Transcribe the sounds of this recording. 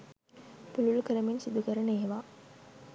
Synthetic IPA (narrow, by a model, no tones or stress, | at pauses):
pululkəɾəmensid̪ukəɾənəeɦeʋaː